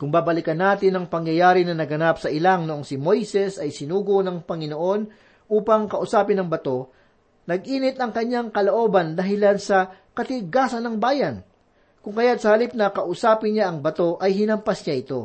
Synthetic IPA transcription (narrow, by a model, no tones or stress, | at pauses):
kʊŋbaːbɐlɪkɐnːaːt̪ɪnːɐŋpɐŋjɐjaːɾɪnɐnɐɡɐnapsɐʔɪlaŋnoʔoŋsɪmo̞jsɛsɐjsɪnuːɡonɐŋpɐŋɪno̞ʔo̞n | ʔuːpɐŋkɐʔʊsaːpɪnɐŋbɐt̪o̞ | nɐɡ̚ʔiːnɪt̪ʔɐŋkɐɲːaŋkɐloʔo̞ːbɐnd̪ɐɦɪlansɐ | kɐt̪ɪɡaːsɐnɐŋbaːjɐn | kʊŋkɐjat̪̚sɐhɐlip̚nɐkɐʔʊsaːpɪnɲaʔɐŋbɐt̪o̞ʔɐjɦɪnɐmpɐsɲaʔɪt̪o̞